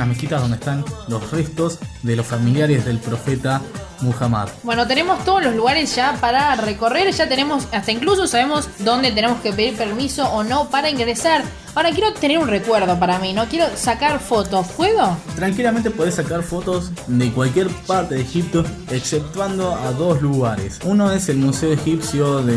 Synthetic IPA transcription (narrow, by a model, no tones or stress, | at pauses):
asmekit̪azðo̞nd̪est̪anlosrest̪o̞zðelosfamiljaɾezðelpɾo̞fet̪a | muxama̰ðbwe̞not̪enemost̪oð̞ozlo̞zluɣaɾesʒ̥apaɾareko̞reɾʒat̪enemosast̪aiŋklus̬osaβemozd̪o̞nd̪et̪̬enemo̞skepe̞ðiɾpeɾmiso̞ʔːno̞paɾaiŋɡɾesaɾ | aoɾak̬jeɾo̞t̪eneɾunrekweɾð̞o̞p̬aɾamino̞kjeɾo̞sakaɾfot̪ospweɣot̪ɾaŋkilamẽnt̪epo̞ðesːakaɾfo̞t̪o̞sd̪ekwalkjeɾpaɾt̪eðexip̚t̪o | eksep̚t̪wand̪oaðo̞sluɣaɾḛsunoeselmuseoexipsjoðe